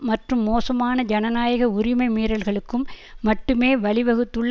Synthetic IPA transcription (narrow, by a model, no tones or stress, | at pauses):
mɐʈrɯmːoːsɐmaːnɐd͡ʒɐnɐnaːjɐɣɐʊɾɪmɐɪmeːɾɐlɣɐɭɯkːɯmː | ɐʈːɯmeːʋɐɭɪʋɐɣɯt̪ːɯɭː